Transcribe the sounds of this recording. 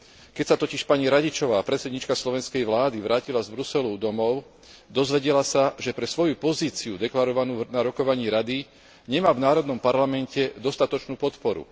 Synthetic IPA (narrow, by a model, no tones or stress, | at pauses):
kɛcsat̪ɔciʃpaɲiɾaɟit͡ʃɔʋaːpɾɛt̪sɛd̪ɲiːt͡ʃkaslɔʋɛnskɛjʋlaːd̪iʋɾʔaːcilazbɾusɛlud̪ɔmɔʊ | d̪ɔzʋɛɟɛlasaʒɛpɾɛsʋɔjupɔziːt͡siud̪ɛklaɾɔʋanuːnaɾɔkɔʋaɲiːɾad̪i | ɲɛmaːvnaːɾɔd̪nɔmpaɾlamɛncɛd̪ɔst̪at̪ɔt͡ʃnuːpɔt̪pɔɾṵ